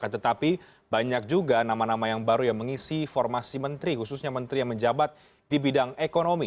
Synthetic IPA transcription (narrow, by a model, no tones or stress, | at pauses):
kant̪ət̪api | baɲak̚d͡ʒuɡanamanamajaŋbaɾujaŋməŋisifɔrmasimənt̪ɾihususɲamənt̪ɾijaŋməɲd͡ʒabat̪̚ | d̥ibidaŋekonomi